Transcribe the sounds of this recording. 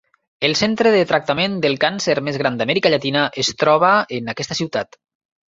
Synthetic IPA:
elˠsent̪ɾəðət̪ɾak̚t̪amend̪elˠkanseɾmezɣɾand̪amɛɾikaʎat̪inaʔest̪ɾɔβ̞əenakɛst̪asiwt̪at̪

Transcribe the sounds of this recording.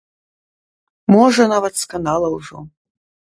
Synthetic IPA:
mɔʐɐnavɐt̪skɐnd̪alˠɐwʐɔ̰

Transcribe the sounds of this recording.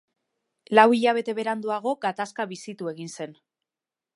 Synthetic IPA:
lawiʎaβ̞e̞t̪e̞βe̞ɾand̪uaɣ̞o̞ɡat̪askaβisit̪ue̞ɣinse̞n

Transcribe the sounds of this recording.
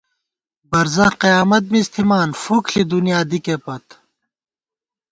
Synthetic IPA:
bɐɾzɐ̃qijaːmɐt̪̚mist̪ʰimaːnfukʰɬid̪unjaːd̪ikepɐt̪

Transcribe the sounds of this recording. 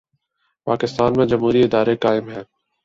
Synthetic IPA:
paːkɪst̪aːnmẽd͡ʒəmɦuːɾiɪd̪aːɾekaːɪmɦɛ̃ː

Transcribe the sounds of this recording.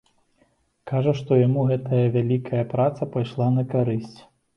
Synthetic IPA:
kaʐɐʂt̪ɔjamuɣɛt̪ʰɐjɐvʲalʲikʰɐjɐpɾat̪sɐpajʂlˠanɐkaɾɨsʲt͡sʲ

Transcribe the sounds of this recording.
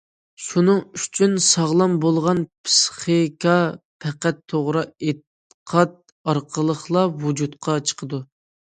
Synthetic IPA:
ʃunɨŋyt͡ʃʰynsɑʁlˠɑmbolˠʁɑnpʰsχikʰɑpʰɛqæt̪ʰːoʁɾɨet̪ | qʰɑt̪̚ | ɑɾqʰəlˠəχlˠɑwud͡ʒut̪qʰɑt͡ʃʰə̥qʰəd̪u

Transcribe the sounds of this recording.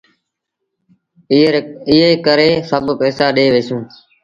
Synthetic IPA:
ɪɦeːkəɾeːsəbʱpɛːsaːɗeːʋeːsũː

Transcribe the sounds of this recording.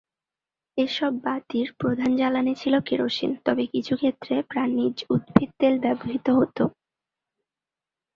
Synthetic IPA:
eʃɔbːat̪iɾpɾod̪ʱand͡ʑalanit͡ɕʰilokeɾoʃḭnt̪ɔbekit͡ɕʰukʰet̪ːɾepɾanid͡ʑud̪̚bʱit̪̚t̪elbɛboɦit̪oɦot̪o

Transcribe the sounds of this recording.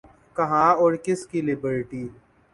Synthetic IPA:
kɐɦãːɔːɾkɪskilɪbəɾʈiː

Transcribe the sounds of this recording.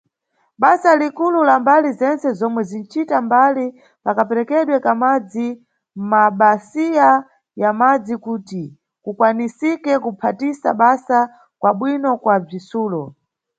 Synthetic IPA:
ɓasalikululambalizɛnt͡sɛzɔmwɛzint͡ʃʰitambali | pakapɛɾɛkɛɗwɛkamad͡zi | m̩maɓasija | jamad͡zikuːti | kukwanisikɛkupʰatisa̰ɓasa | kwaɓwinɔkwab͡ʐisuːlɔ

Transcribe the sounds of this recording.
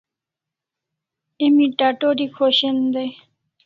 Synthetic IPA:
emiʈaʈoɾikʰoʃend̪e

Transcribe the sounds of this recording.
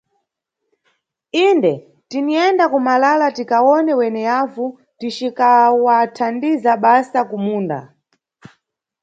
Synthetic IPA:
indɛ | tiniɛndakumalalatikaɔnɛwɛnɛjavu | tit͡ʃikawatʰandizaɓasakumuːnda̰

